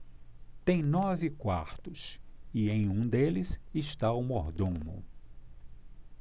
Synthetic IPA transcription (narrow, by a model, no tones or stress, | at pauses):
t̪ẽj̃nɔvɪkwa̰ɾt̪ʊsiẽj̃ũd̪elɪzɪʃt̪aumoɾd̪ũmʊ̰